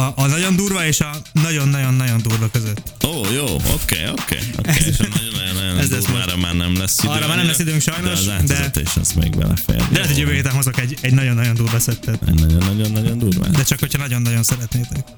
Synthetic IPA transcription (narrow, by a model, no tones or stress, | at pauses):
ɒʔːnɒɟo̞nd̪uːrvɒeːʃɒnɒɟo̞nːɒɟo̞nːɒɟo̞nd̪uːrvɒkøzøt̪ːoːjoːo̰kḛːjokḛːjo̰kɛnɔonːɔjnːɔjonɛzlɛuːaɾɔmaːrnɛmlɛsːid̪rːɔmaːrnɛmlɛsːid̪øːŋkʃɒjno̞ʃzaːt̪d̪ɛzt̪ɛ̰iʃɛ̰smɛ̰ḭɡbɛ̰lɛ̰fɛ̰jlɛɛt̪ɛɟjøvøːheːt̪anɦozokɛɟɛɟnɒɟo̞nːɒɟo̞nd̪uːrvɒsɛt̪ːɛt̪ɛ̰nɒɟonːɒɟonːɒɟond̪uːrva̰ːd̪ɛt͡ʃɒkho̞chɒnɒɟo̞nːɒɟo̞nsɛɾɛt̪neːt̪ɛk̚